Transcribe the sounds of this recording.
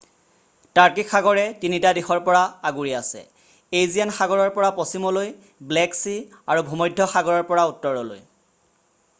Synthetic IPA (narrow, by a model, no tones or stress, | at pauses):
taɹkikʰxaɡɔɹɛtinitadixɔɹpɔɹaaɡuɹiasɛ̰ | ejzijanxaɡɔɹɔɹpɔɹapɔsimɔloj | blɛksi | aɹubʱumɔjdʱːɔxaɡɔɹɔɹpɔɹautːɔɹɔlo̰j